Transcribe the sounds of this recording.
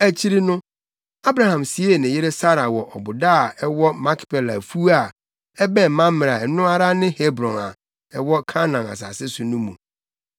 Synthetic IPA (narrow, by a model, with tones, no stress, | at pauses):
æ˨t͡ɕʰi˦ɾi˦nʊ̃˦ | a˦bɾa˨hã˨msi˨˦e˦˨nɪ̃˨jɪ˦ɾe˦sa˦ɾa˨wɔ˨ʔɔ˨bʊ˨da˦˨ɛ˦wɔ˦mã˦kʰpʰɛ˨la̰˨fu˦a˨ | ɛ˦bɛ̃˦˨mã˦m˦mɪ̃˨ɾa˨nʊ̃˦a˦ɾa˦nɪ̃˦he˦bɾɔ̃˨na̰˨ | ɛ˦wɔ˦kʰa˦nã˨na̰˨s̬a̰˨sɪ˦sʊ˨nʊ̃˦mṵ̃˨